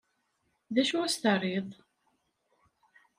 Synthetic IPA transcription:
ðæʃuæsθərˤiðˤ

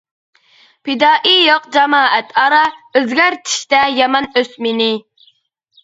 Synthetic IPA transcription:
pʰɪd̪ɑːʔijoqd͡ʒɑmɑːʔɛt̪ʰɑɾɑøzɡʲæɾt̪ʰi̥ʃt̪ɛjɑmɑnøsmenɪ

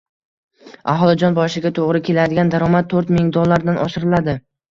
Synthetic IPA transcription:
a̰ɦɒlˠɪd͡ʒɒnbɒʃɪɡʲat̪ʰoʁɾɪkʲʰe̞lad̪ɪɡʲand̪aɾɒmat̪̚ʰːɵɾt̪mɪŋd̪olˠːaɾd̪anʔɒʃɪɾɪlad̪ɪ

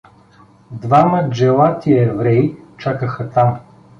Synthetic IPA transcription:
d̪vaməd͡ʒɛlˠat̪iɛvɾɛit͡ʃakəxət̪am

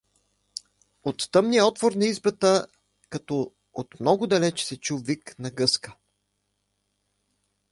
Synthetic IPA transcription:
ot̪ːɤmnijəɔt̪voɾnɐizbət̪ə | kɐt̪ɔ | ot̪mnɔɡʊd̪ɐlɛt͡ʃɛ̥sɛt͡ʃuviknɐɡɤskə̥

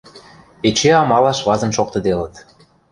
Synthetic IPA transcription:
et͡ɕeɑmɑlɑʃβɑzɤ̆nʃok̚t̪ɤ̆d̪elə̆t̪

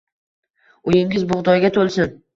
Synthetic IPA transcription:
ʊjɪŋʲɪzbʊʁd̪ɒjɡʲat̪ʰolˠsɪn

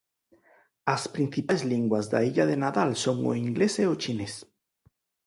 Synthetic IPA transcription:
aspɾĩn̟θipajzliŋɡwazða̰iʎaðenaðalsoŋo̰iŋɡleseot͡ʃines

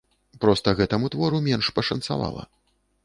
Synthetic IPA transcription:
pɾɔst̪ɐɣɛt̪ɐmut̪vɔɾumʲɛnʂpɐʂɐnt̪sa̰va̰lˠɐ̰

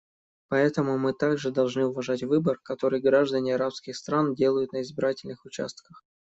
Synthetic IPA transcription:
pɐɛt̪əmʊmɨt̪aɡʐɨd̪ɐlˠʐnɨʊvɐʐatʲvɨbərkɐt̪o̞ɾɨjɡɾaʐd̪ənʲɪɐɾapskʲɪxst̪ɾandʲe̞lˠəjʊt̪nəɪzbʲɪɾatʲɪlʲnɨxʊt͡ɕa̰st̪̚kəx

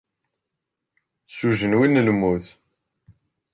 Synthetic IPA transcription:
suʒənwinːəlmuθ

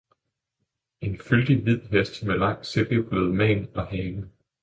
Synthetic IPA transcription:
e̝nfyld̥iʋið̰ˠɦesd̥melɑ̈ŋ̰̥selɡ̥əb̥ʰløð̩ˠmɛ̰ːnɒhɛːlə

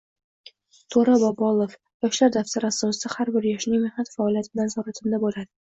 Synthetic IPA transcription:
t̪ʰoɾabɒbɒlˠof | jɒʃlaɾd̪aft̪ʰaɾɪasɒsɪd̪ahaɾbɪɾjɒʃnɪŋmɪhnat̪faɒlijat̪ʰɪbɪlansɒɾat̪ʰɪmd̪abolad̪ɪ

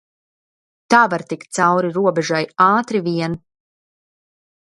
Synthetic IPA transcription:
t̪aːvaɾt̪ikt̪̚t̪sawɾiɾuɔbɛʒajaːt̪ɾiviɛn

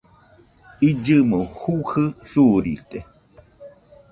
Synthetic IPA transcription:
id͡ʒɨmohuhɨsuɾḭt̪e

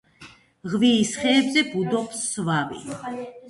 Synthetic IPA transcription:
ʁviːsχɛːbzɛbud̪ɔpsːvavḭ

